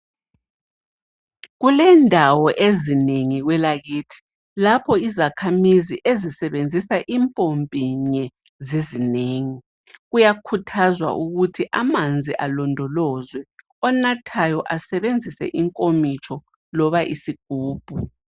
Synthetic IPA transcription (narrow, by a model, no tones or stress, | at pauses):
ɣulɛndʱawɔʔezineŋiɣwɛlaɣiːtʰi̥ | lapʰɔizakʰamiziʔezisɛβend͡zʱisaʔimpʼompʼiɲɛ | zizineːŋi | ɣujakʰutʰazwa̰ʔuɣutʰiʔamand͡zʱiʔalɔndʱɔlɔzwɛ | ɔnatʰajɔʔasɛβend͡zʱisɛ̰ʔiŋkʼomit͡ʃʰʼɔ | lɔβaʔḭsiɡ̥ʱuːb̥ʱu